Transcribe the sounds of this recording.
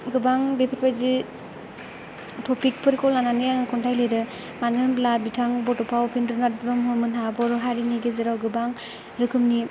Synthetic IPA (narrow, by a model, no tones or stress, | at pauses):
ɡɯbaŋbepʰiɾpajzi | tʰɔpik̚pʰɯɾkɔlnananijaŋɯkʰɔntʰajleɾɯ | manɡɯmblabitʰaŋbɔtɔpʰawpʰindɯnat̚bɾɯmɦɯmɯnɦabɔɾɔɦaɾiniɡezɯɾawɡɯbaŋ | ɾɯkʰɯmni